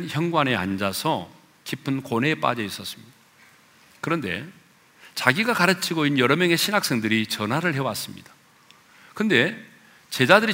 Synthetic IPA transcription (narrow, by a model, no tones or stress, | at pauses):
nçjʌŋɡwane̞a̰nd͡ʑasʰʌ | kipʰɯnkonɦe̞ːp͈a̰d͡ʑʌis͈ʌs͈ɯ̥mɲid̥ḁ | kɯɾʌnde̞̰ | t͡ɕaɡiɡakaɾɯt͡ɕʰiɡoinjʌɾʌmjʌŋe̞ɕʰinɦak̚s͈e̞ŋdɯɾit͡ɕʌnɦaɾɯɭɦe̞was͈ɯmɲid̥ḁ | kɯnde̞ | t͡ɕe̞d͡ʑadɯɾi